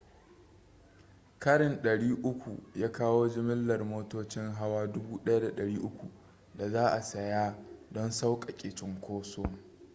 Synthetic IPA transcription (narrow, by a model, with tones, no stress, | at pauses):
kɐ˦ɽɪ˨nɗɐ˨ɽiː˦ʔʊ˦kʷu˨jaː˦kaː˦woː˦d͡ʒɪ˦mɪ˦lːɐ˨rmoː˦toː˦t͡ʃɪ˦ŋɦa˦waː˦dʊ˦buː˦ɗɐ˦ja˦da˨ɗɐ˨ɽiː˦ʔʊ˦kʷu˨ | da˨zaː˦ʔa˨sɐ˨jaː˦dɔ˦nsa˦wkʼa˨kʲʼeː˨t͡ʃɪ˦ŋkʷoː˦soː˦ŋ